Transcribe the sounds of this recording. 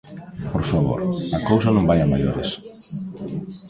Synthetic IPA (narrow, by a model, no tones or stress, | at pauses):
poɾfaβo̰ɾɐkows̬ɐnõmbajamaʎoɾes